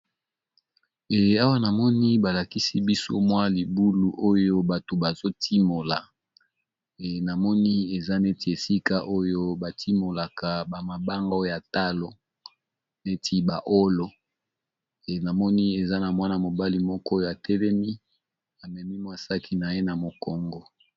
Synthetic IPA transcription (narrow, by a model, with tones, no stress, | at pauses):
e˨a˦wa˦na˨mɔ˦ni˦ba˨la˨ki˦si˦bi˦so˦mwa˦li˨bu˦lu˨ʔo˦jo˦ba˨to˨ba˨zo˦tʰi˦mo˨la˨ | na˨mɔ˦ni˦e˨za˦ne˦ti˨e˨si˦ka˦ʔo˦jo˦ba˨tʰi˦mo˨la˨ka˨ba˨ma˨ba˦ŋɡa˦o˦jo˦ja˨ta˦lo˨ | ne˦tʰi˦ba˨ʔo˦lo˨ | na˨mɔ˦ni˦e˨za˦na˨mwa˦na˨mo˨ba˦li˨mɔ˦kɔ˦jo˦a˨tɛ˦lɛ˦mi˦ | a˨mɛ˨mi˦mwa˦sa˦kʰi˦na˨je˦na˨mo˨kɔ˨ŋɡɔ˨